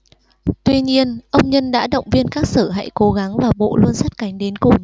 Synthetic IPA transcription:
t̪wi˧ɲi˧ənʔə˧wŋ͡mɲə˧nɗa̰ː˧˥ɗə̰˧˨wŋ͡mvi˧ənkaː˦˥k̚səː˧˩ɦa̰˧˥jko˨˦ɣa˨˦ŋvaː˨˩ɓo̰˧˨lu˧ənsa˦˥t̚ka˨˦jŋ̟ɗe˨˦nkʊ˨˩ŋ͡m

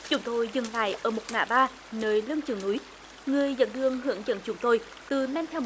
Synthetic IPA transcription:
t͡ɕʊ˨˦ŋ͡mt̪o˧jzɨ˨˩ŋla̰ː˧˨jʔəː˧˩mo˨˩t̚ŋa̰ː˧˩ɓaː˧ | nəː˨˩jlɨ˧əŋt͡ɕɨ˨˩ŋnu˨˦j | ŋɨ˨˩əjzə̰˧˨nt̪ʰɨ˧əŋɦɨ̰˧˥əŋzə̰˧˨nt͡ɕʊ˨˦ŋ͡mt̪o˧j | t̪ɨ˨˩nɛ˧nt̪ʰɛ˧w

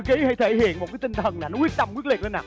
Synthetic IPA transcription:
ki˨˦ha˧jt̪ʰe˧˩hḭ˧˨ənmo˨˩t̚kaː˨˦jt̪ï˧ŋ̟t̪ʰə˨˩nːaː˨˩nɔ˨˦kwi˦˥ət̚t̪a˧mkwi˦˥əli˨˩le˧naː˨˩

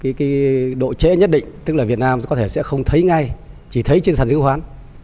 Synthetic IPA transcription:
kaː˨˦kaː˨˦ɗo̰˧˨t͡ɕḛ˧˥ɲə˦˥t̚ɗḭ̈˧˨ŋ̟t̪ɨ˦˥k̚laː˨˩vi˨˩ət̚naː˧mkɔ˨˦t̪ʰe˧˩sɛ̰˧˥xə˧wŋ͡mt̪ʰə˨˦jŋa˧j | t͡ɕi˧˩t̪ʰə˨˦jt͡ɕe˧nsaː˨˩zɨ̰˨˦əŋɦwaː˨˦n

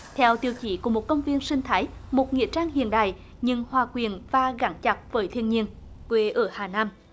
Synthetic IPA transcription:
t̪ʰɛ˧wt̪i˧əwt͡ɕi˧˩ku˧˩mo˨˩t̚kə˧wŋ͡mvi˧ənsï˧ŋ̟t̪ʰaː˨˦jmo˨˩t̚ŋḭ˧˨ət͡ɕaː˧ŋhḭ˧˨ənɗa̰ː˧˨j | ɲɨ˧ŋhwaː˨˩kwi˨˩ənvaː˨˩ɣa˨˧˩ŋt͡ɕa˨˩p̚vəː˨˦jt̪ʰi˧ənɲi˧ən | kwe˨˩ʔəː˧˩haː˨˩naː˧m

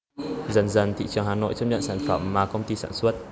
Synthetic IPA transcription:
zə˨˩nzə˨˩nt̪ʰḭ˧˨t͡ɕɨ˨˩əŋɦaː˨˩no̰˧˨jt͡ɕə˦˧˥p̚ɲə̰˧˨nsaː˧˩nfə˧˩mːaː˨˩kə˧wŋ͡mt̪i˧saː˧˩nswə˦˥t̚

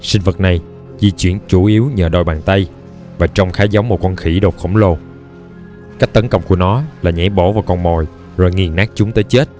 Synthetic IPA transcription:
sï˧ŋ̟və˨˩t̚na˨˩j | zi˧t͡ɕwḭ˧˩ənt͡ɕu˧˩ʔi˨˦əwɲəː˨˩ɗɔ˨˧˩jɓaː˨˩nt̪ə˧j | vaː˨˩t͡ɕɔ˧wŋ͡mxaː˨˦jza˨˦wmo˨˩t̚kɔ˧nxi˧˩ɗo˨˩k͡p̚xə̰˧˩wŋ͡mlo˧ | ka˦˥jk̚t̪ə˨˦nkə̰˧˨wŋ͡mku˧˩ənɔ˨˦laː˨˩ɲɛ̰˧˥ɓo̰˧˩vaː˨˩wkɔ˧˩nmo˨˩j | zo˨˩jŋi˨˩ənːaː˦˥k̚t͡ɕʊ˨˦ŋ͡mt̪əː˨˦jt͡ɕe˦˥t̚

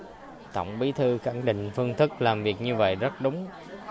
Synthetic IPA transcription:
t̪ə̰˧˨wŋ͡mɓi˨˦t̪ʰɨ˧xa˧˩nɗḭ˧˨ŋ̟fɨ˧əŋt̪ʰɨ˦˥k̚laː˨˩mvi˨˩ək̚ɲɨ˧və̰˧˨jzə˦˥t̚ɗʊ˨˦ŋ͡m

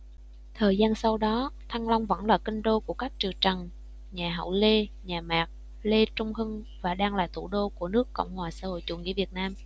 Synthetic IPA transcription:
t̪ʰəː˨˩jzaː˧nsa˧wɗɔ˨˦t̪ʰa˧ŋla˧wŋ͡mvə̰˧˥nlaː˨˩ki˧ŋ̟ɗo˧ku˧˩əka˦˥jk̚t͡ɕɨ˨˩t͡ɕə˨˩ŋ | ɲaː˨˩ɦə̰˧˩˨wle˧ɲaː˨˩maː˨˩k̚ | le˧t͡ɕʊ˧ŋ͡mhɨ˧ŋ | vaː˨˩ɗaː˧ŋlaː˨˩t̪ʰṵ˧˩ɗo˧ku˧˩ənɨ˦˥əkːə̰˧˨wŋ͡mhwaː˨˩saː˧˥ho̰˧˨jt͡ɕṵ˧˩ŋɲḭ˧˥vi˨˩ət̚naː˧m

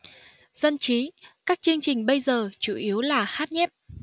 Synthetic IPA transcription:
z̥ə˧nt͡ɕi˨˦kaː˦˥k̚t͡ɕɨ˧əŋt͡ɕï˨˩ŋ̟ɓə˧jzəː˨˩t͡ɕṵ˧˩ʔi˨˦əwlaː˨˩haː˦˥t̚ɲɛ˦˥p̚

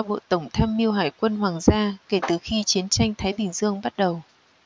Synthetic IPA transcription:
ɓo̰˧˨t̪ə˧˩wŋ͡mt̪ʰaː˧mːi˧əwɦaː˧˩jkwə˧nhwaː˨˩ŋzaː˧ke˧˩t̪ɨ˨˩xi˧t͡ɕi˨˦ənt͡ɕa˧jŋt̪ʰaː˨˦jɗï˧˩ŋ̟zɨ˧əŋɓa˦˥t̚ɗə˨˩w

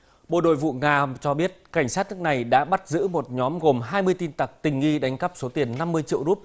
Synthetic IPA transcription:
ɓo̰˧˨ɗo̰˧˨jvṵ˧˨ŋaː˨˩t͡ɕɔ˧ɓi˦˥ət̚ka˧˩jŋ̟saː˦˥t̚nɨ˦˥ək̚na˨˩jɗa̰ː˧˥ɓa˦˥t̚zɨ̰˧˥mo˨˩t̚ɲɔ˨˦mɣo˨˩mɦaː˧jmɨ˧əjt̪i˧nt̪a˨˩k̚t̪ï˨˩ŋ̟ɣi˧ɗa˨˦jŋ̟kə˦˥p̚so˨˦t̪i˨˩ənːa˧mːɨ˧əjt͡ɕḭ˧˨əwu˦˥p̚

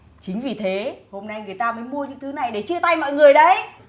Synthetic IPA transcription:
t͡ɕï˨˦ŋ̟vi˨˩t̪ʰe˨˦ho˧mna˧jŋɨ˨˩əjt̪aː˧məː˨˦jmu˧əɲɨ̰˧˥ŋt̪ʰɨ˨˦na˨˩jɗe˧˩t͡ɕɨ˧ət̪a˧jmɔ̰˧˨jŋɨ˨˩əjɗə˨˦j

